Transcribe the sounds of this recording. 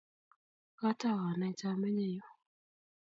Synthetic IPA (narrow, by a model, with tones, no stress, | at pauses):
ka˦ta˦˨wa˨na˨˦t͡ʃa˦mɛ˦ɲɛ˦˨jɔ˦